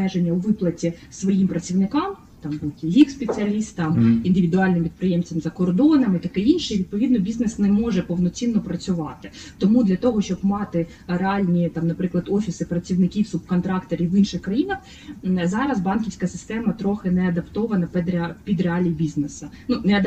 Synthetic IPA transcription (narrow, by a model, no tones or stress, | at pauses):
ɛʒenʲːɐʊʋɪplˠɐtʲisʋɔjimpɾɐt͡sʲiwnɪkɑm | t̪ɑmbuwtʲiɦʲikspet͡sʲiɐlʲist̪ɐmind̪ɪʋʲid̪ʊɑlʲnɪmpʲid̪pɾɪjemt͡sʲɐmzɐkɔrd̪ɔnɐmit̪ɐkɛinʃɛʋʲid̪̚pɔʋʲid̪nɔbʲiznɛsnɛmɔʒɛpɔwnɔt͡sʲinːɔpɾɐt͡sʲʊʋɑt̪ɪt̪ɔmud̪lʲɐt̪ɔɦɔʃt͡ʃɔbmɑt̪ɪ | ɾeɑlʲnʲit̪ɑmnɐpɾɪklˠɐd̪ɔfʲisɪpɾɐt͡sʲiwnɪkʲiwsubkɔnt̪ɾɑkt̪eɾʲiʋinʃɪxkɾɐjinɐx | zɑɾɐzbɑnkʲiwsʲkɐsɪ̥st̪ɛmɐt̪ɾɔxɪnɛɐd̪ɐpt̪ɔʋɐnɐpɛd̪ɾpʲid̪ɾeɑlʲijibʲiznesɐnunɛɐd̪